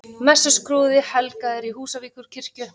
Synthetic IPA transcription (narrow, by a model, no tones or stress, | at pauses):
mɛsːʏskɾuːðɪhɛlkaðɪɾiɦuːsaviːkʏɾ̥cʰɪr̥cʏ